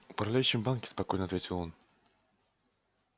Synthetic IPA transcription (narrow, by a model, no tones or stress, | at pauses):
ʊpɾɐvlʲæjʏɕːɪmbankʲɪspɐko̞jnəɐt̪vʲetʲɪlˠon